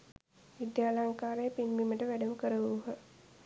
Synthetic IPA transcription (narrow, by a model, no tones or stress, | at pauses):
ʋid̪jaːlaŋkaːɾejːpinbiməʈəʋæɖəməkəɾəʋuuɦə